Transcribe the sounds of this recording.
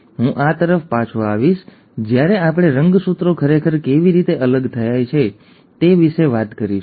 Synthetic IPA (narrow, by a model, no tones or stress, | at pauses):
ɦũʔat̪əɾəfpat͡ʃʰoaʋiʃ | d͡ʒjaɾeapɽ̃eɾəŋɡsut̪ɾokʰəɾekʰəɾkeʋiɾit̪eʔələɡt̪ʰəjajt͡ʃʰe | t̪eʋiʃeʋat̪kəɾiʃ